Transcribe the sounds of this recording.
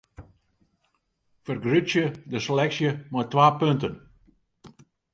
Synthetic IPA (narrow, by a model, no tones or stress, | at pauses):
fərɡrysjədəselɛksjəmɔjtʋaːpøntən